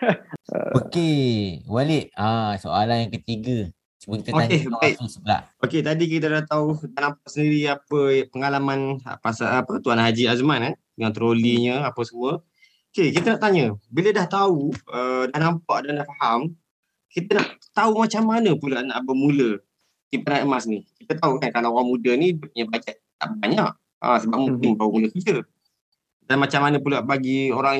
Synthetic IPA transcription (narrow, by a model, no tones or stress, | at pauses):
okewalɪʔãso̰alanjaŋkət̪iɡə | səbokit̪oakebasəbəla̰ʔoket̪adik̬it̪̬ədaht̪audahnampaʔsəndiɾiapəpəŋalaman̰pasaʔːpət̪uanɦad͡ʒiazmanan | ŋaŋt̪əɾoliɲəapəsəmuə | okekit̪ənaʔt̪aɲəbilədaht̪auədahnampaʔdandaʔfaham | kit̪ənaʔt̪aumat͡ʃamːanəpulaʔnaʔbəmulə | t̪ipanaʔəmasnikit̪ət̪aukankalawɾaŋmudənidup̚ɲəbad͡ʒaʔ | t̪a̰ʔbaɲaʔ | a̰səbap̚mukimbawumuləkəd͡ʒə | danmat͡ʃamːanəpulaʔbaɡioɾaŋ